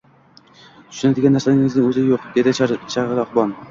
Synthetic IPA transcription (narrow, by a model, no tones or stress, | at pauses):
t̪ʰʊ̥ʃʊnad̪ɪɡʲanːaɾsaɪŋɪznɪŋɵzɪjoqd̪e̞d̪ɪt͡ʃʰaɾʁɨɾɒqbɒn